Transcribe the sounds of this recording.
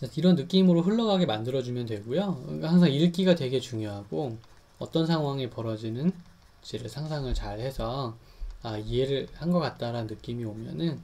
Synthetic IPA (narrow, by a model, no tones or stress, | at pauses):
aiɾʌnːɯk͈imɯɾoɸɯɭːʌɡaɡe̞mandɯɾʌd͡ʑumjʌntwe̞ɡojok͈ahaŋsʰaŋiɭk͈iɡatwe̞ɡe̞t͡ɕuŋjoɦaɡo | ʌt͈ʌnsʰaŋɦwaŋe̞pʌɾʌd͡ʑinɯn | t͡ɕeɾɯɭsʰaŋsʰaŋɯɭt͡ɕaɭhe̞sʰʌ | aie̞ɾɯɭhanɡʌk͈at̚t͈aɾanɯnːɯk͈imiomjʌnɯn